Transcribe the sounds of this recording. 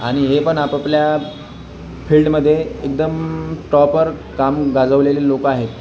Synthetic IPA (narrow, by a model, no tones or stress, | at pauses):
a̰ɽ̃iɦepəɳapəplja | fʰiːlɖməd̪ʱːjeːk̚d̪əmʈɾɔpəɾkamɡad͡zəʋleliːlokaɦet̪